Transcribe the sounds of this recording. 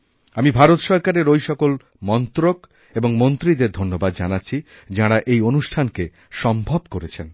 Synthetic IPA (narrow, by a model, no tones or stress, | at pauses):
amibʱaɾot̪ʃɔɾkaɾeɾojʃɔkol | mɔnt̪ɾok | eboŋmont̪ɾid̪eɾd̪ʱonːobad̪d͡ʑanat̪ːɕʰi | d͡ʑaɽaʔejonuʃʈʰanke | ʃɔmbʱobkoɾet͡ɕʰen